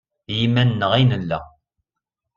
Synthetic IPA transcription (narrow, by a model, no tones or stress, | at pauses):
jimænːəʁinəlːæ̰